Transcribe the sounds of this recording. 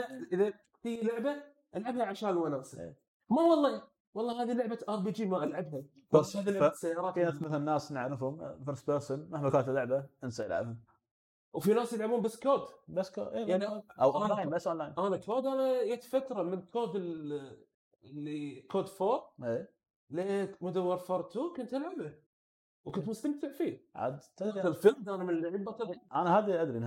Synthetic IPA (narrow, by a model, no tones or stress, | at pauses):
laʔʔəða | fijlʊʕba | ʔalʕabhaʕaʃaːlwanaːsɪḛː | mawɑlˤːɑ | wɑlˤːɑːɦaːðilʊʕbaʔɑɾˤbiːd͡ʒiːmaʔalʕabɦa | ahaːðilʊasːajːɑːɾˤɑːt̪inaθmɪθalnːaːsnaʕanʊfhʊmfəɾsbəɾsənmahbakaːt̪ɪlːʊʕbaʔənsaja̰lʕa̰bhʊm | wfinaːsjɪlʕabuːmbasːkoːd̪basːko̰ːʔeːjaʕniʔawʔonlaːjnbasːʔoːnlaːjnʔaːnakoːd̪ʔaːnajet̪fat̪ɾˤɑmɪnkʰoːd̪ɪl | ɪlːikoːd̪foːɾˤʔeː | lemʊd̪awːɑɾˤfɑɾˤt̪ukʊnt̪ɪlʕaba | wkʊnt̪mʊst̪amt̪ɪʕfiːʕa̰d̪t̪aalfɪɾd̪ʔaːnamɪnlːaʕɪbːat̪aʔanaɦaːd̪iʔad̪ɾin